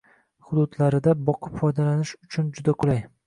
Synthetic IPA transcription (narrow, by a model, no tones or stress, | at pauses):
χʊd̪ʊd̪laɾɪd̪abɒqʰɨpfɒjd̪alanɪʃʊt͡ʃʰʊnd͡ʒʊd̪aqʰʊlaj